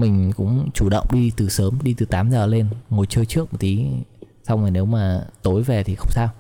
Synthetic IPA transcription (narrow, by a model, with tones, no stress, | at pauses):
mï˨˩ŋ̟kʊ̰˧˥ŋ͡mt͡ɕu˧˩ɗə̰˧˨wŋ͡mɗi˧t̪ɨ˨˩səː˨˦mɗi˧t̪ɨ˨˩t̪aː˨˦mzəː˨˩le˧nŋo˨˩jt͡ɕəː˧jt͡ɕɨ˦˥ək̚mo˨˩t̪̚t̪i˨˦ | sa˧wŋ͡maː˨˩jne˨˦wmaː˨˩t̪o˨˦jvɛ˨˩t̪ʰi˨˩xə˧wŋ͡msaː˧w